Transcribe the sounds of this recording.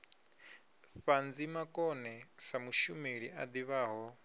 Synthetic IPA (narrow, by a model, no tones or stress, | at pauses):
ɸand͡zimakʼɔnɛsamuʃumeɺiʔad̪iβaːɦɔ